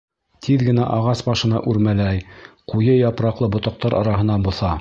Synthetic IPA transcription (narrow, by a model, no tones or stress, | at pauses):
t̪ʰiðɡɘ̆næʔɑʁɑsbɑʃɤ̆nɑ̰ʔʉɾmælæj | qujɤjɑpɾɑqlˠɤbŏt̪ɑq̚t̪ɑɾʔɑ̰ɾɑɦɤ̆nɑnbŏθɑ